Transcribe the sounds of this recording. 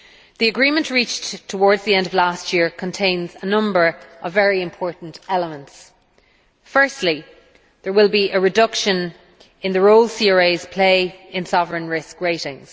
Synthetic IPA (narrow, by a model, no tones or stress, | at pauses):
ðiəɡɹĩmə̃nʔɹit͡ʃttʰəwɔːɹdzðiɛ̃ndəvlastʰjɪɹkʰə̃ntʰẽɪ̃nzənʌ̃mbə˞əvːɛɹiɪ̃mpʰɔɹʔn̩tɛləmə̃nts | fɜ˞stˡli | ðə˞wɪlˠbiʔəɹɪdʌkʃə̃n | ɪ̃nðəɹoʊlˠsiəɹeɪz̥pʰl̥eɪɪ̃nsɒvəɹə̃nɹɪskɹeɪɾɪ̃ŋz̥